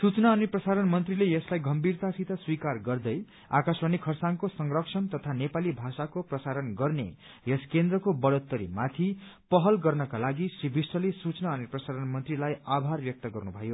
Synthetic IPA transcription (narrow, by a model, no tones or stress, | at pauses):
sut͡snaʌniprʌsaɾʌnmʌnt̪rilejʌslajɡʌmbirt̪asit̪ʰaswikarɡʌrd̪ʌj | a̰kaswʌnikʰʌrsaŋkosʌŋrʌksʰʌnt̪ʌt̪ʰanepalibʱasakoprʌsaɾʌnɡʌrnḛ | jʌskend̪rʌkobʌɽot̪ːʌɾḭmat̪ʰipʌɦʌlɡʌrnʌkalaɡisribʱisʈʌlesut͡snaʌneprʌsaɾʌnmʌnt̪rilajabʱarbjʌk̚t̪ʌɡʌrnubʱʌjo